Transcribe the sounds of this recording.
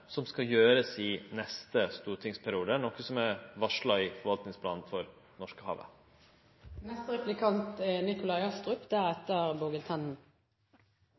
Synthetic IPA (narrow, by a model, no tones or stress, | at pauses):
sɔmskɑjøːɾəd̪ɛsinɛst̪əst̪uːɾʈʰɪŋspʰæɾɪuːd̪ənɔkːəsɔmæʋɑʂlɑɪfɔɾʋɑlt̪nɪŋspʰlɑ̰ːnn̩fɔɾ | nɔʂkəhɑ̰ːʋə̰ | nɛst̪ʁɛplɪkʰɑnt̪nɪkʊlɑɪɑst̪ʁʉpd̪æɾɛt̪ːəʁboɡəlt̪ʰɛnn̩